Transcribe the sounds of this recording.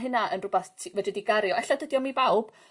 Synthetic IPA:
ɦɪnaʔənrʊbaθtʰivɛdədiɡaɾjɔɛɬɔdədjɔmibawb̥

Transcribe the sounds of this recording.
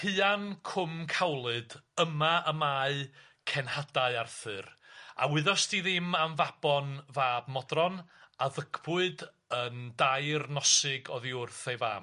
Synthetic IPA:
hɨankʰʊmkʰawlˠɨdəmaəmaɨ | kʰɛnhadaɨarθɨra̰wɪðɔstiðɪmamvab̥ɔnvaːbmɔdrɔnaðəɡbʊɨd | əndajrnɔsɨɡɔðiʊrθejva̰ːm

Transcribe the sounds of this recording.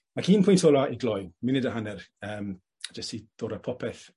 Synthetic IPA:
akʰiːnpʰʊjntʰoːlaʔiɡlɔjmɪnɪdəɦanɛrəːm | ad͡ʒəstʰid̥oːɾəpʰɔpʰɛθ

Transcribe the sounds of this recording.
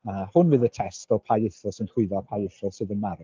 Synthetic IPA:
əhʊnvɨðətʰɛstɔpʰajɪθʊlˠsɪnd̥r̥ɪɨðɔpʰajɪθʊlˠsɨðənmaɾʊ

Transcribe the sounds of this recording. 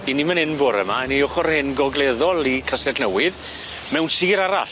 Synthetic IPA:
inimənɪnboɾə̰maniɔχɔɾhenɡɔɡlˠɛðɔlˠikʰasɛdnəwɪð | mɛwnsiːɾaɾaɬ

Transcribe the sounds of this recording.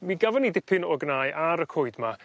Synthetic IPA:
miɡavɔnidɪpʰɪnɔɡnajʔaɾəkʰoːɨdma

